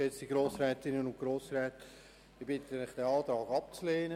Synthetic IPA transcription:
ɛt͡siɡ̥ɾoːsɾɛːtɪnənʊnɡ̥ɾoːsɾɛːt | ɪbɪt̪ənɪχd̥ɛɑːt̪ɾɑːɡɑp̚t͡sleːnə

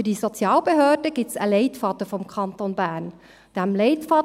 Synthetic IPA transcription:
fydisɔt͡sjɑːlbeɦøːd̥əɡ̥ɪtsə̰lɛɪtfɑtəfɔmkʰɑntonbæːn | d̥æmlɛɪtfɑ

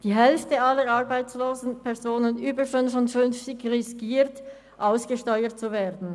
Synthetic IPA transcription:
d̥iːɦɛlftəalːəɾɑʁbaɪt͡sloːzn̩pʰɛʁzoːnənyːbəʃoːnʃonfʏnft͡sɪkʁɪskiːʁt | ʔaʊsɡ̥əʃtɔʏət̚t͡suveːdn̩

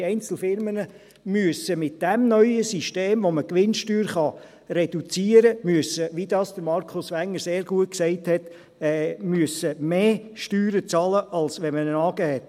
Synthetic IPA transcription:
ɛɪnt͡sl̩fɪɾmənə | myəsəmɪt̚d̥ɛmnœʏəsiʃteːmʋoməkʋɪnʃtyːɾχɑ | rɛdut͡siːəɾəmyəsəʋid̥ɑːsd̥əɾmɑɾkʰʊsʋæŋːəɾseːɾɡuət̚ksɛɪthɛt | ɛːmyəsəmeː | ʃtyːɾət͡sɑləʔɑlsʋɛnmənənɑːɡ̥ɛhɛt

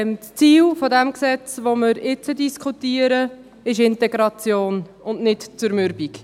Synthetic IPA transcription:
mst͡siːlfodɛmksɛt͡sʋomɪɾɪt͡sədiskʰutiːəɾə | ɪʃɪntɛɡɾɑt͡sjoːn | ʊnnɪtt͡sʊɾmʏɾbik

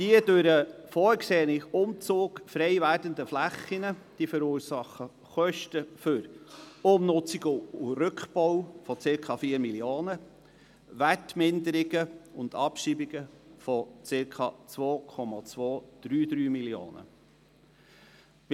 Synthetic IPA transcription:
d̥iədøɾəfɔːɾkseːənɪχʊmt͡soːkfɾɛɪvæːɾdənd̪əflæχːɪnəd̥ifəɾuːɾsɑχə | χœʃtəfʏɾʊmnʊt͡sɪɡʊʊɾʏkχbɔwfɔt͡sɪɾkʰɑfiːəɾmiljoːnə | ʋætmɪnd̪əɾɪɡəʊnd̪ɑpʃiːbɪɡəfɔt͡sɪɾkʰɑ̰ːt͡sʋoːkʰɔmɑt͡sʋoːd̪̥ɾyːd̪ɾyːmiljo̰ːnə̰

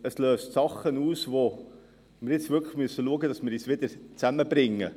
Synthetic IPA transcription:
əsløːstsɑχːənuːsvo | mɪɾjɪt͡svɪɾkʰlə̥χmyəsːəluəɡədɑsmɪɾiːsʋɪd̪əɾt͡sæməbɾɪŋːə

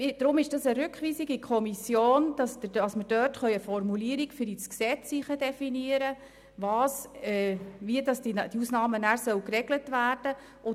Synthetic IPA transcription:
d̥ɾʊmɪʃd̥ɑsəɾʉkχʋiːsiɡikʰχɔmisjoːnd̥ɑsɑsməɾd̥œrtχœʏəfɔrmuliːəɾikfʏɾisksɛt͡siχədɛfiniəɾə | ʋɑːsɛʋiədɑsdid̥iusnɑːmənæːɾsœwkrɛɡlətʋæːrd̥ə | ʔʊ

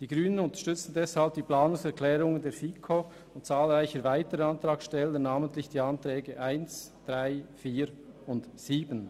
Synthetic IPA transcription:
d̥iːɡɾyːnənʊnt̪ə̥ʃtʏt͡sn̩dɛshalb̚d̥iːplaːnʊŋsɛɾkʰlɛːɾʊŋəndeːɾfiːkʰo | ʊnt̚t͡saːlʁaɪçəɾvaɪtəɾəɑnt̪ɾɑːkʃtɛlənaːməntlɪçd̥iːɑnt̪ɾɛːɡəʔaɪnsd̥ʁaɪfiːɾʊndsiːbən

